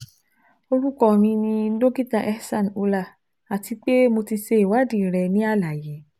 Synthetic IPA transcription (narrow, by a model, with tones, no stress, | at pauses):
o˧ɾu˦kɔ˦˨mĩ˧nĩ˧do˦ɡi˦ta˧˨ʔɛ˦sã˦˨n˨u˧la˧˨ | a˨ti˧k͡pe˦mo˧ti˧ʃe˧i˨wa˨˦dĩ˦˨ɾɛ˧nĩ˦a˦la˨je˨˦